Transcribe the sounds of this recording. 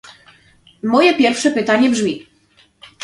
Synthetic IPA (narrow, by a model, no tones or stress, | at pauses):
mɔjɛpʲjɛɾfʂɛpɘt̪aɲɛbʐmʲi